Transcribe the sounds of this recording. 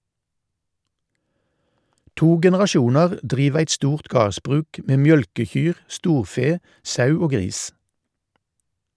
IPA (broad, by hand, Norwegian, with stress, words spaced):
ˈtuː ɡɛnɛʁɑˈʃuːnɑʁ ˈdʁiːʋ ˈæɪt ˈstuːʁt ˈɡɑːʁsbʁʉːk ˈʔmeː ˈmjœlkəˌçyːʁ ˈstuːʁˌfeː ˈsɑʉ ˈoː ˈɡʁiːs